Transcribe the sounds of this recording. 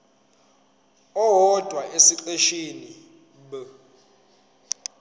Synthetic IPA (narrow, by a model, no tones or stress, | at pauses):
ɔɦɔd̥ʱwaʔesiǃeʃini | ɓə